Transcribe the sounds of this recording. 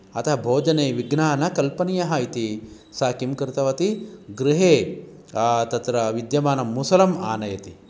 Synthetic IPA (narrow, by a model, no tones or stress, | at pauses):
ɐt̪ʰɐɦɐbʱoːd͡ʒɐneːʋiɡnaːnɐkɐlpɐnijɐɦɐit̪i | saːkimkɾt̪ɐʋɐt̪iɡɾɪɦeː | t̪ɐt̪ɾɐʋid̪jɐmaːnɐmːusɐlɐmaːnɐjɐt̪i